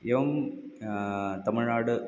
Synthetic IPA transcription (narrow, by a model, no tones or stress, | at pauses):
eʋɐm | t̪ɐmɪɻaːɽɨ